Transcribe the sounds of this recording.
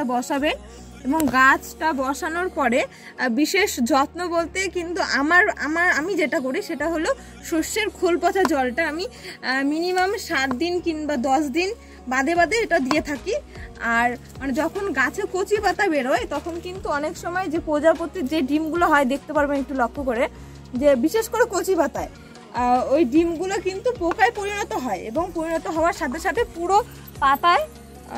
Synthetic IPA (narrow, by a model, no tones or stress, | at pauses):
abɔʃaben | eboŋɡat͡ɕʰʈabɔʃanoɾpɔɾe | biʃeʃd͡ʑɔt̪nobolt̪ekint̪uʔamaɾa̰maɾamid͡ʑeʈak̬oɽiʃeʈaɦolo | ʃoʃːeɾkʰolpɔt͡ɕʰad͡ʑɔlʈaamiminimamʃat̪̚d̪inkinbad̪ɔʃd̪in | bad̪ebad̪eeʈad̪iet̪ʰakiaɾ | maned͡ʑɔkʰonɡat͡ɕʰekot͡ɕʰibat̪abeɽoet̪ɔkʰonkint̪uɔnekʃɔmɔed͡ʑepod͡ʑapot̪ːid͡ʑeɖimɡuloɦɔed̪ekʰt̪epaɾbenek̚ʈulɔkʰːokoɾe | d͡ʑebiʃeʃkoɾekot͡ɕʰibat̪ae | ojɖimɡulokint̪upokaepoɾinɔt̪oɦɔeḛboŋpoɾinɔt̪oɦɔoaɾʃat̪ʰeɾʃat̪ʰepuɾo | pat̪ae